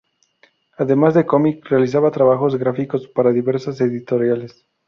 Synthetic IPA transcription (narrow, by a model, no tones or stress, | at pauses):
aðe̞mazðeko̞mikrealis̬aβat̪ɾaβaxo̞zɣɾafiko̞spaɾaðiβe̞ɾsase̞ðit̪o̞ɾjale̞s